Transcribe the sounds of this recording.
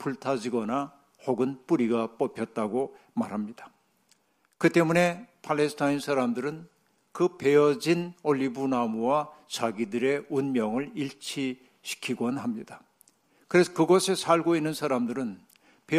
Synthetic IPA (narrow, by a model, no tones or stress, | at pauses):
pʰuɭtʰad͡ʑiɡʌna | hoɡɯnp͈uɾiɡap͈ʌpʰjʌt̚t͈aɡo | maɾɦamɲid̥ḁ | kɯt͈e̞mune̞pʰaɭːe̞sʰtʰainsʰaɾamdɯɾɯn | kɯpe̞jʌd͡ʑinoʎːibunamuwat͡ɕaɡidɯɾe̞unmjʌŋɯɭiɭt͡ɕʰi | ɕʰi̥kʰiɡʌnɦamɲid̥a | kɯɾe̞sʰʌkɯɡʌsʰe̞sʰaɭɡoinːɯnsʰaɾamdɯɾɯn | pe